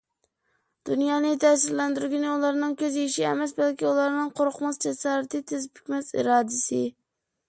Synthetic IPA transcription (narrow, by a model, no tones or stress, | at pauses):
d̪̥unjɑːnɪt̪ʰɛsɪɾlænd̪yɾɡʲɪnɪulˠɑɾnɨŋkʲʰøzeʃiɛmɛsbælkʲiulˠɑɾnɨŋqʰoɾʊqmɑsd͡ʒɛsɑːɾɨt̪ɨt̪ʰɪzpʰy̥kʲmɛsḭɾɑːd̪ɪsɪ